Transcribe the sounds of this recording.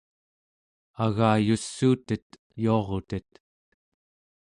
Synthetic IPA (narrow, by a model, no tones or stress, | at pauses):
aɣaːjusːuːt̪ət̪ | juɑʁot̪ət̪